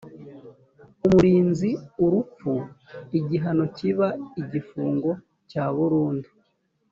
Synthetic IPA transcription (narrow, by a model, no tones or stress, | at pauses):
umuɾiːnziuɾup͡fuiɟiɦano̞ciβaiɟifuːŋɡo̞ | caβuɾuːndi